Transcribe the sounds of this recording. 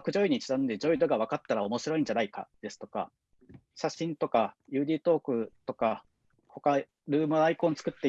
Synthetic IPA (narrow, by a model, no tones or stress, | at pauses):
kɯ̟ʑo̞iɲ̟it͡ɕi̥zãnd̪ed͡ʑo̞id̪o̞ɡaβ̞akat̪ːaɾao̞mo̞ɕiɾo̞ĩɲ̟d͡ʑanaika̰d̪̥e̞sɨ̥t̪o̞̥ka̰ | ɕaɕĩnt̪o̞kajɯ̟ːd̪ʲiːt̪o̞ːkɯ̟t̪o̞ka | ko̞ka | ɾɯ̟ːmɯ̟aikõnt͡sɨ̥kɯ̟t̪ːe̞